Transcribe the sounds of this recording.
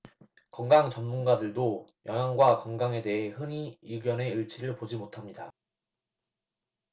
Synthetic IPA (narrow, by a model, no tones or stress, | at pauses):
kʌŋɡaŋt͡ɕʌnmunɡadɯɭdojʌŋɦjaŋɡwakʌŋɡaŋe̞de̞ɦe̞hɯɲiuɡjʌne̞ɯɭt͡ɕʰiɾɯɭpod͡ʑimotʰamɲida